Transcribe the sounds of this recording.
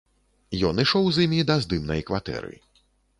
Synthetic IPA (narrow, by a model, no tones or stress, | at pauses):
jɔnɨʂɔwzimʲid̪ɐzd̪ɨmnɐjkvat̪ɛ̰ɾɨ̰